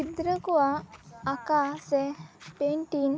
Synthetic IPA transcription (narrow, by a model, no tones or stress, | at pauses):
id̪ɾəkuʋaːkaːsepeɳʈiŋ